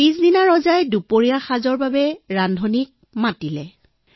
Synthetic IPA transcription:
isdinaɹɔzajdupoɹijaxazɔɹbabɛɹandʱɔnik̚ | matilɛ

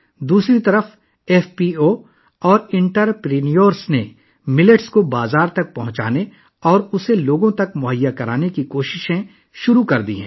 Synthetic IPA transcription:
d̪uːsɾit̪ɐɾəf | ɛːfpiːo | ɔːɾɪ̃ɳʈəɾpɾiːnijoːɾsne | mɪləʈskobaːzaːɾt̪ɐk̚pɐɦʊ̃t͡ʃa̰ːne | ɔːɾʊseloːɡõt̪ɐkmʊɦəjːakɐɾaːnekikoːʃɪʃẽ | ʃʊɾukɐɾd̪ḭɦɛ̰̃ː

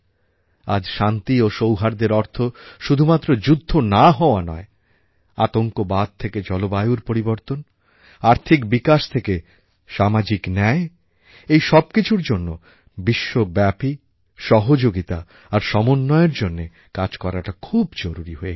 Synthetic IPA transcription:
a̰d͡ʑʃant̪ioʃowɦaɾd̪eɾɔɾt̪ʰoʃud̪ʱumat̪ːɾod͡ʑud̪ʱːonaɦɔoanɔ̰e | at̪oŋkobad̪̚t̪ʰeked͡ʑɔlobajuɾpoɾiboɾt̪on | aɾt̪ʰikbikaʃt̪ʰeke | ʃamad͡ʑiknɛe | ejʃɔb̚kit͡ɕʰuɾd͡ʑonːo | biʃːobɛpi | ʃɔɦod͡ʑoɡit̪a | aɾʃɔmonːɔeeɾd͡ʑonːe | kad͡ʑkɔɾaʈakʰubd͡ʑoɾuɾiɦoe

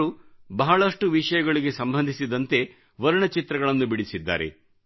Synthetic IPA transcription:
ubɐɦɐɭɐʂʈuʋiʂɐjɐɡɐɭiɡe̞sɐmbʱɐnd̪ʱisid̪ɐnt̪e̞ | ʋɐɾuɳɐt͡ʃit̪ɾɐɡɐɭɐnːubiɽisid̪ːa̰ːɾḛ

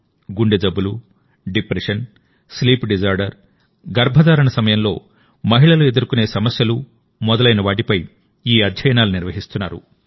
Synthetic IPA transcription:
ɡuɳɖed͡ʒ̪ɐbːulu | ɖipɾeʂɐn | sliːpɖid͡ʒaːɾɖɐɾ | ɡɐɾbʱɐd̪aːɾɐɳɐsɐmɐjɐmlo̞̰ː | mɐɦiɭɐlue̞d̪uɾukune̞ːsɐmɐsjɐlu | mɔd̪ɐlɐjnɐʋaːʈ̬ipɐj | iːɐd̪ʱjɐjɐnaːluniɾʋɐɦist̪unːa̰ːɾṵ

